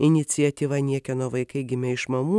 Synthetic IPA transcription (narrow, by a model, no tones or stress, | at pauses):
ɪnʲɪt̪sʲiɐt̪ʲiːʋɐnʲiɛkʲɛnoːʋɐɪkɐɪɡʲɪmʲɛɪʃmɐmuː